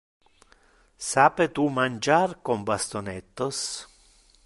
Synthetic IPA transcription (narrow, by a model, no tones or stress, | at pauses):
saːpet̪umand͡ʒarkombast̪onɛt̪ːɔs